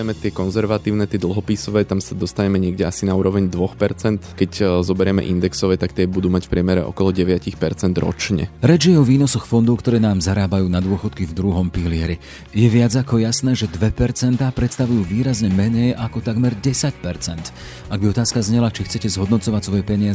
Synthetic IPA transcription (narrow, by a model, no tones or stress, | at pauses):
ɛmɛt̪ɪɛkɔnzɛɾʋat̪iːʊnɛt̪ɪɛd̪l̩ˠɦɔpiːsɔʋɛːt̪amsad̪ɔst̪aɲɛmɛɲɪɛɡɟɛasinauːɾɔʋɛɲd̪ʋɔxpɛɾt͡sɛnt̪kɛczɔbɛɾɛmɛ̰ʔind̪ɛksɔʋɛːt̪akt̪ɪɛbud̪uːmacfpɾɪɛmɛɾɛ̰ʔɔ̰kɔlɔɟɛʋɪacixpɛɾt͡sɛnd̪ɾɔ̰t͡ʃɲɛ̰ɾɛd͡ʒjɛɔʋiːnɔsɔxfɔnd̪ɔʊkt̪ɔɾɛːnaːmzaɾaːbajuːnad̪ʊɔxɔt̪kivd̪ɾuɦɔmpilɪɛɾi | jɛʋɪad͡zakɔjasnɛːʒɛd̪ʋɛpɛɾt͡sɛnt̪aːpɾɛt̪st̪aʋujuːʋiːɾazɲɛmɛɲɛjʔakɔt̪aɡmɛɾɟɛsacpɛɾt͡sɛnt̪ | aɡ̚biɔt̪aːskazɲɛlat͡ʃixt͡sɛcɛzɦɔd̪nɔt͡sɔʋacsʋɔjɛpɛɲɪazɛ